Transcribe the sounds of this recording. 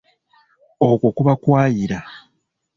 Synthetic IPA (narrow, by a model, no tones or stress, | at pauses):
okukuβakwaːjiɾa